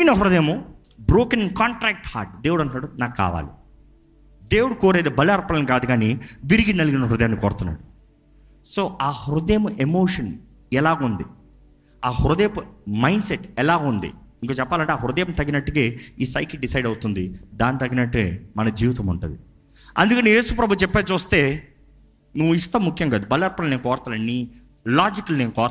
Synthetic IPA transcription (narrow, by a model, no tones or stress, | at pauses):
inɐɦuɾud̪eːmu | bɾoːkɐnkaːɳʈɾaːk̚ʈha̰ːɾʈ̚d̪e̞ːwuɽɐnknaːɽunaːkkːa̰ːʋa̰ːli | d̪eːwuɽukoːɾeːd̪ebɐlaːɾpːɐlɐnikaːd̪uɡaːniʋiɾiɡinɐliɡinɐɦuɾud̪ɐjɐmnikoːɾt̪unːa̰ːɽu | so̞ːʔaːhuɾud̪eːmuʔemoːʂɐn | ɛlaːɡund̪i | aːhuɾɐd̪eːpumɐjɳɖseʈːɛlaːɡund̪ḭiŋkoːt͡ʃɛpːaːlɐɳʈeaːɦuɾud̪ɐjɐmt̪ɐɡinɐʈːukeːiːsa̰ːjkiɖisɐjɖɐwut̪und̪id̪aːnit̪ɐɡinɐʈːuḛmɐnɐd͡ʒiːʋit̪ɐmuɳʈund̪i | ɐ̰nd̪ukɐnije̞ːsupɾɐbʱut͡ʃɛpːet͡ʃuːst̪e̞ː | nuʋːuiʂʈ̪ɐmːukʰjɐŋɡaːd̪ubɐlɐɾpɐlneːnkɔːɾt̪ɐlɐnːi | laːd͡ʒikɐlneːnukɔːɾ